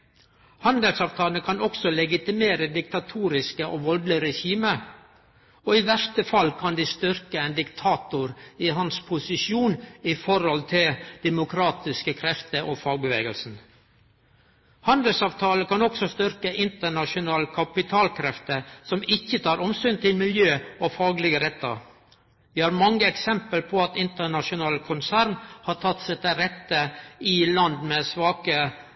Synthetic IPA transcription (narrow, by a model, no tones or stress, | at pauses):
hɑnd̪əlsɑːʋt̪ʰɑːlnəkʰɑnɔksɔlɛɡɪt̪ɪmeːɾəd̪ɪk̚t̪ɑt̪ʰuːɾɪskəʔoʋɔld̪lɪɾɛçiːmə | oːɪʋæʂt̪əfɑlkʰɑnd̪iːst̪ʏɾkəɛnd̪ɪkt̪ʰɑːt̪ʊɾiɦɑnspʰʊsɪʃuːnɪfɔɾɔlt̪ʰɪld̪̥ɛmʊkʰɾɑːt̪ɪskəkʰɾɛft̪əʔoːfɑːɡ̚bəʋeːɡəlsn̩ | hɑnd̪əlsɑːʋt̪ʰɑːləkɑnɔksɔst̪ʏɾkəʔɪnt̪əɳɑʃʊnɑːlkʰɑpɪt̪ʰɑːlkʰɾɛft̪əsɔmɪçːət̪ʰɑːɾɔmsyːnt̪ʰɪlmɪljøːɔfɑːɡlɪɡəɾɛt̪ːə̰ | ʋɪhɑːɾmɑŋːəɛksɛmpəlpʰɔɑt̪ɪnt̪əɳɑʃʊnɑːlkʰʊnsæːɾnhɑːt̪ʰɑt̪ːsɛt̪əɾɛt̪ːəɪlɑnd̪mesʋɑːkə